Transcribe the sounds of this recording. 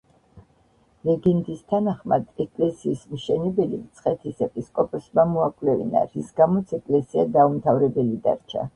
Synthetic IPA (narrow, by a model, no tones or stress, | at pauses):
lɛɡɛnd̪ist̪ʰanaχmad̪ɛkʼlɛsiːsmʃɛnɛbɛlit̪sʰχɛt̪ʰisɛpʼiskʼɔpʼɔsmamɔakʼlɛvḭna̰ɾisɡamɔt̪sʰɛkʼlɛsiad̪aumt̪ʰavɾɛbɛlid̪a̰ɾt͡ʃʰa̰